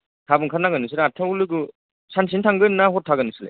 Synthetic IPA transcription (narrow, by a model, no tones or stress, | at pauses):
tʰabɯŋkʰanaɡɯnɯs̬ɯlatʰaulɯɡɯ | sans̬intʰaŋɡɯnːaɦɔtʰːaɡɯnɯsɯlḛ